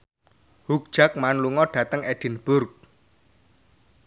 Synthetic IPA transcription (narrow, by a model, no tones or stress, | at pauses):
huk̚d̥ʒ̥a̤k̚manluŋɔɖ̥ä̤t̪əŋɛɖ̥ɪ̤nb̥ʊrk̚